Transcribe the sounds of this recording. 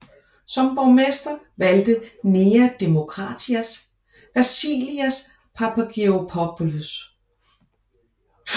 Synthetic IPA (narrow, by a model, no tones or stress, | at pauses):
sɒ̽mb̥ɒʊmesd̥ɐ | ʋæld̥əneːæd̥e̝mo̝kʰʁɑ̰̈dʰiæs | ʋæsḭːliæs | pʰɑpʰæɡ̥eopʰɒb̥ulus